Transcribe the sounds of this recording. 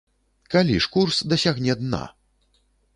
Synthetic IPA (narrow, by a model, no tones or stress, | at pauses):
kalʲiʂkursd̪ɐsʲaɣnʲɛd̪na̰